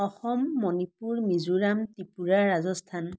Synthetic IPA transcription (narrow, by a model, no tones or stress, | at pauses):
ɔxɔmːɔnipuɹmizuɹamtipuɹaɹːazɔstʰan